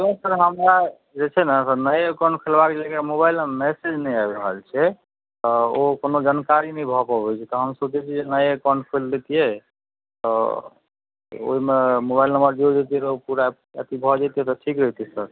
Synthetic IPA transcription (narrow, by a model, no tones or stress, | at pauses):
t̪õsəɾɦəmɾa | d͡ʒet͡ʃʰɛnəsənəjkɔ̃ɳɖpʰelbaked͡ʒekamoβailmɛsed͡ʒnəjabɾəɦəlt͡ʃʰɛ | t̪ɔokonod͡ʒankaɾinəjbʱɔpɔbɛt͡ʃʰɛt̪ɔɦəmsobt͡ʃɛt͡ʃʰid͡ʒenəjkɔɳɖpʰelːet̪ijɛ | t̪ɔ | o̰ɦimemobailnəmbəɾd͡ʒod͡ʒet̪iɛɾopuɾa | ə̰t̪ibʱɔd͡ʒat̪iɦɛt̪ɔʈʰikɾəɦit̪isəɾ